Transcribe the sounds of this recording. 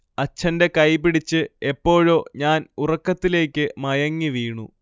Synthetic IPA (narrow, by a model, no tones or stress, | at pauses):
ɐt͡ɕʰːɐnde̞kɐjp̬ːiɽit͡ɕːɨe̞pːo̞ːɻo̞ːɲaːnurɐkːɐt̪ːile̞ːkʲːɨmɐjɐŋːiʋiːɳṵ